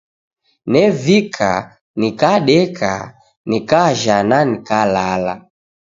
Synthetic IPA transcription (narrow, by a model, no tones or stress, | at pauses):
nɛvikʰa̰ | nikaɗɛkʰa̰ | nikaʒananikalala̰